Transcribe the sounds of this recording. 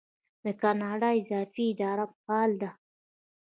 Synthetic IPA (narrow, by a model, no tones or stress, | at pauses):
d̪əkɑnɑɖɑɪzɑfiːd̪ɑɾapəpɑld̪a